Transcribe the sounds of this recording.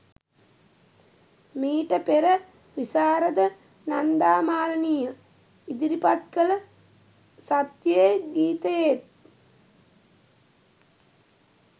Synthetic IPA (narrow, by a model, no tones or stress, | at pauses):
miːʈəpeɾə | ʋisaːɾəd̪ə | nand̪aːmaːlnijə | id̪iɾipat̪kələ | sat̪jəeɡ̪iːt̪əjet̪̚